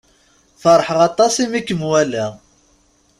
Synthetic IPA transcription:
θəɾˤħəʁɑt̪ˤɑsimikːəmwælæ

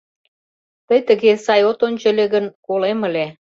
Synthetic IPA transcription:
t̪əjt̪ə̆ɣesɑjot̪onʲt͡ɕə̆lʲeɣənkoleməle

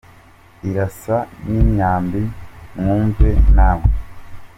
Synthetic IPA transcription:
iɾasaniːɲaːmbiŋuːɱvenaːmwe

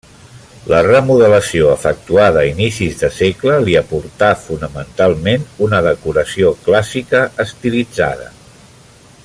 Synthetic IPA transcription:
lərəmuðələsioəfək̚t̪uað̞əinisizðəsekləliəpuɾt̪afunəmənt̪alˠmenunəðəkuɾəsioklasikəːst̪ilid͡za̰ð̞ə̰

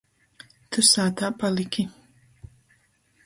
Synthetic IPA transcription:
t̪ʰɨsaːt̪ʰapʼalikʰi

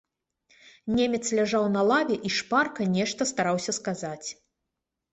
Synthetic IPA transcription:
nʲemʲɛt̪slʲaʐawnɐlˠavʲɛʔiʂparkɐnʲɛʂt̪ɐst̪aɾawsʲɐskazat͡sʲ

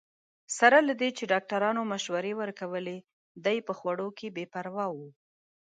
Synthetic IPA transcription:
saɾalad̪et͡ʃeɖɑk̚ʈaɾɑnomaʃwaɾewəɾkawəle | d̪ajpəxwaɽokebepaɾwɑwu

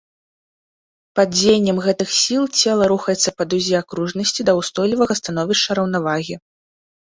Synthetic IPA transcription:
pɐd͡zʲejnʲːɐmɣɛt̪ɨxsʲilˠt͡sʲɛlˠɐɾuxɐjɛt̪sːɐpɐd̪uzʲiakɾuʐnɐsʲt͡sʲid̪ɐwst̪ɔjlʲivɐɣɐst̪an̪ɔvʲiʂt͡ʂːɐɾɐwnavaɣʲi

